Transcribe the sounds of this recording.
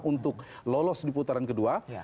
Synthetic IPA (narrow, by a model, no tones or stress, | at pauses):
ʔunt̪ʊk̚lolɔsdiput̪aɾankədua